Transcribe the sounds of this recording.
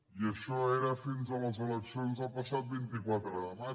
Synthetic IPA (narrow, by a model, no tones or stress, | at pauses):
iəʃɔeɾəfinzələzələksionzəlˠpəsat̪̚bint̪ikwat̪ɾəðəma